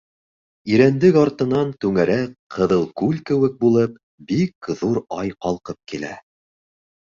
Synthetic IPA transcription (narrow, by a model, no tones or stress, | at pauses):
iɾænd̪ɘkɑɾt̪ɤ̆nɑnt̪ʉŋæɾækqʰɤ̆ðɤlˠkʉlʲkɘ̆wɘk̚bulˠɤp̚ | bikðuɾɑjqɑlˠqɤp̚kilæ̰